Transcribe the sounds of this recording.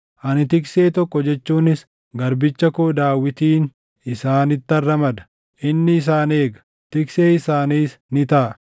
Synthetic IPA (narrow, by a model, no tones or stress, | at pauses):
ʔɐnɪt̪ɪkse̞ːt̪ɔkːɔd͡ʒɛt͡ʃːuːnɪs | ɡɐɾbɪt͡ʃːɐkoːd̪aːwːɪt̪iːn | ɪsaːnɪt̪ːɐrːɐmɐd̪ɐ̥ | ʔɪnːɪːs̬aːne̞ːɡɐ̥ | t̪ɪkse̞ːɪsaːniːsnɪt̪ɐʔɐ